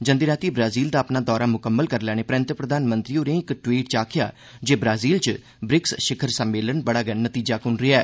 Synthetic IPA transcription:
d͡ʒənd̪iːɾaːt̪iːbɾaːziːld̪aːəpnaːd̪ɔːɾaːmʊkəmːəlkəɾlɛːñeːpɾə̃ːnt̪ɾəpɾəd̪aːnmə̃nt̪ɾiːoːɾẽːɪkʈʋiːʈt͡ʃaːkʰɪja̰ː | d͡ʒeːbɾaːziːlt͡ʃ | bɾɪksʃɪkʰəɾsəmːeːlənbəɽaːɡənnət̪iːd͡ʒaːkʊnɾɪaɛː

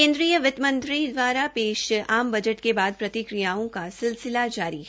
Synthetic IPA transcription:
kẽːnd̪ɾijəʋɪt̪mə̃nt̪ɾĩd̪ʋaːɾapeːʃaːmbɐd͡ʒəʈkebaːd̪̚pɾɐt̪ɪkɾijaːõkasɪlsɪlad͡ʒaːɾiɦ

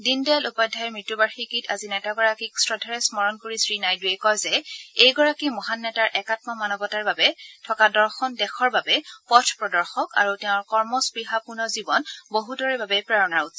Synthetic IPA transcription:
dindɛlupɔjdʱajɛɹmɹitːubaɹxikitʰazinɛtaɡɔɹakiksɹɔdʱaɹɛsmɔɹɔnkoɹisɹinajduɛkɔjzɛejɡɔɹakimɔɦanːɛtaɹʔɛkatmɔmanɔbɔtaɹbabɛtʰɔkadɔɹxɔndɛxʰɔɹbabɛpɔtʰpɹɔdɔɹxɔka̰ɹutɛʊ̃ɹkɔɹmɔspɹiɦapunɔzibɔnboɦudɔɹɛbabɛpɹaɹɔnaɹut

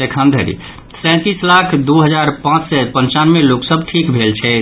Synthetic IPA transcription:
ekʰə̃nd̪ʱə̰ɾḭ | sɛ̃t̪islakʰd̪uɦəd͡ʒaɾpãt͡ʃsɛpənt͡ʃanmeloksəbʈʰikbʱelt͡ʃʰɛ

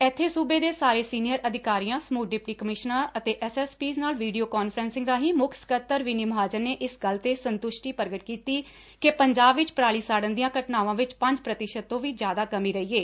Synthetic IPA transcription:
ɛːt̪ʰːeːsuːbeːd̪eːsaːɾeːsiːnijəɾʔəd̪ʱɪkaːɾiːãːsmuːʈ̚ɖɪpʈiːkəmɪʃnãːət̪eːʔɛsɛːspiːznaːlʋiːɖijoːkaːnfʰəɾɛːnsɪ̃ŋɡɾaːɦĩːmʊkʰsə̥kət̪ːəɾʋinimɦaːd͡ʒəɾneːʔɪsɡəlt̪eːsənt̪ʊʃʈiːpəɾɡəʈkiːt̪iː | kepəɲd͡ʒaːbʋɪt͡ʃpɾaːɭiːsaːɽənd̪ijãːkəʈnaːʋãːʋɪt͡ʃpə̃ɲd͡ʒpɾət̪ɪʃəd̪̚t̪ːõːʋiːd͡ʒjaːd̪aːkəmiːɾəiːeː

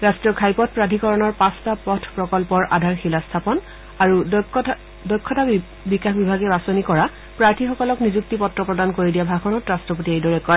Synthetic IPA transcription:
ɹastɹiɔkʰajpɔt̚pɹadʱikɔɹɔnɔɹpãstapɔtʰpɹɔkɔlpɔɹʔadʱaɹxilastʰapɔn | aɹu | dɔjkʰːɔta | bikaxbibʱaɡɛbasonikɔɹa | pɹaɹtʰixɔkɔlɔknizuk̚tipɔtɹɔpɹɔdankoɹidijabʱakʰɔnɔtɹastɹɔpotiejdɔɹɛkɔɹ

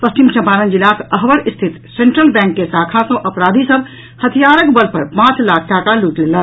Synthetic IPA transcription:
pəst͡ʃimt͡ʃɐmpaːɾə̃nd͡ʒilaːkəɦʋəɾɪst̪ʰɪt̪sẽːɳʈɾəlbɛ̃ːŋkːesaːkʰãsõʔɐpɾaːd̪ʱisəb | hət̪ʰijaːɾəkbəlpɐɾpãːt͡ʃlaːkʰʈaːkaluːʈleːlə

